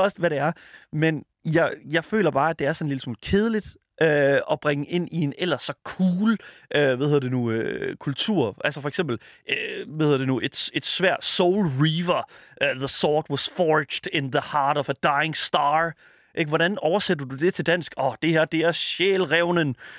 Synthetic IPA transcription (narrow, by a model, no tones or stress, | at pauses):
ɒsd̥ʋæɾe̝æɐmen | jɑɪjɑ̈ɪfø̰ːlɐb̥ɑ̈ːæd̥e̝æɐsɒ̽nliləsmṵːlkʰeːð̞ˠəlid̥ | ʔøɒ̽b̥ʁaŋəʔe̝n̰ie̝nel̰ɐsɒ̽kʰuːløʋeðhe̝ð̰ˠɐd̥e̝nuøkʰult͡sʰṵɐ̰ʔælsəfɒ̽eɡ̥semb̥l̩ʔøʋeðhe̝̰ɐd̥enuʔe̝d̥se̝d̥sʋæɐ̰d̥soʊlʁiːʋɐʔøðəsɒːd̥wɒsfɒːd͡ʒd̥enðəhɑ̈ːɾɒfəd̥ɑ̈ɪeŋsd̥ɑː | ʔeɡ̥ʋɒɾænɒʊɐsed̥ɐd̥ud̥e̝t͡sʰe̝ld̥æn̰sɡ̥ɒd̥e̝hæɐd̥e̝æɐɕeːlʁɛʊnən